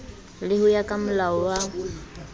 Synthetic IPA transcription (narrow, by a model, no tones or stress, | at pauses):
lɪhʊjakʼamʊlaɔwaʊ